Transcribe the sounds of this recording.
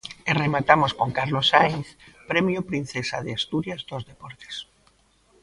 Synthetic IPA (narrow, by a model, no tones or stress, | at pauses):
eremat̪amoskoŋkaɾlosajθpɾɛmjʊpɾin̟θesa̰ðeast̪uɾjazd̪ozðepɔɾt̪e̥s